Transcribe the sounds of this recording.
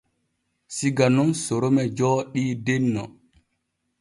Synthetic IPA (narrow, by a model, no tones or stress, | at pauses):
siɡanunsoɾomɛd͡ʒɔːɗiːdɛnːɔ̰